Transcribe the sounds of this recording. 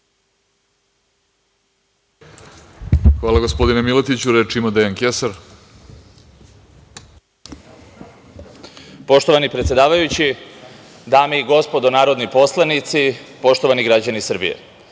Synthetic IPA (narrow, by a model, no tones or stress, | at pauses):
xʋaːlˠaɡo̞spo̞d̪inemilet̪it͡ɕuɾet͡ʃimad̪ejaŋkesaɾ | po̞ʃt̪o̞ʋanipɾet̪sʲjed̪aːʋajut͡ɕi | d̪aːmeiɡo̞spo̞d̪onaːɾo̞d̪nipo̞slˠanit̪sipo̞ʃt̪o̞ʋaniɡɾad͡ʑanisr̩bḭjḛ